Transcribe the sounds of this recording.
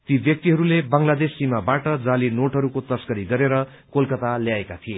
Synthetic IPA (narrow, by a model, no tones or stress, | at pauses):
t̪ibjʌk̚t̪iɦʌɾulebaŋlad̪esːimabaʈʌd͡zalinoʈɦʌɾukot̪ʌsɡʌɾiɡʌɾeɾʌ | kolkʌt̪aljaekat̪ʰije